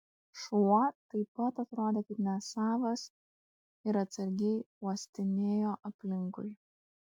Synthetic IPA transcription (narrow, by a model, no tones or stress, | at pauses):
ʃuɔt̪ɐɪpɐt̪ɐt̪ɾoːd̪ʲeːkɐɪpnʲɛsɑːʋɐs | ɪɾɐt̪sɐɾʲɡʲɛɪuɔsʲt̪ʲɪnʲeːjoːʔɐpʲlʲɪŋkʊ̰ɪ